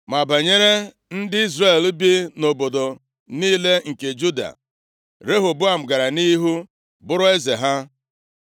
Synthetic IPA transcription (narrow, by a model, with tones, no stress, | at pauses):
ma˨ba˨ɲe˦ɾe˦ | n̩˦dɪ˦i˦zre˨l̩˦bi˦no˨bo˨do˨ | niː˦le˦ŋ̩˨ke˨d͡ʒu˦da̰˨ | ɾe˦ɦʊ˨bʊ˦a˨m̩˨ɡa˨ɾa˨niː˦ɦu˦ | bʊ˦ɾʊ˦e˦ze˨ɦa˦